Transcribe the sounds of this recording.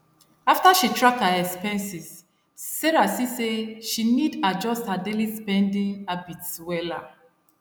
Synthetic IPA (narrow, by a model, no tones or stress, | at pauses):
aftaʃitʰɹakhaɛkspɛ̃nsisː | ɛɹasiseʃinidad͡ʒɔsthadelispɛ̃ndĩŋabitswɛla̰